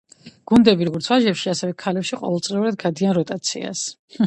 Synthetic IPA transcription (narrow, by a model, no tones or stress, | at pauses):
ɡ̥und̪ɛbiɾɔɡɔɾt̪sʰwaʒɛpʃiasɛvɛkʰalɛpʃiqʼɔ̰vɛlˠt̪sʼliuɾad̪̚ɡad̪ianɾɔt̪ʼat̪sʰḭa̰s